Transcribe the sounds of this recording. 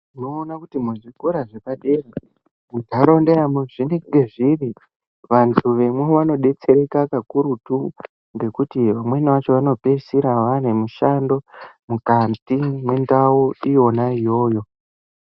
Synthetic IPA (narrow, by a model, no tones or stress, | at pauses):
ino̞ːnakutimuʐikoɾaʐekaɗe̞ra | mudʱaɾondeɾamuʐineŋɡe̞ʐiri | ʋantʰuʋe̞mwe̞ʋano̞ɗe̞t͡se̞ɾe̞kakakuɾutu | ŋɡe̞kutiʋamwe̞niʋat͡ʃo̞ʋano̞pesiɾaʋane̞muʃando̞mukantimwe̞ndawoijonaijo̞ːjo̞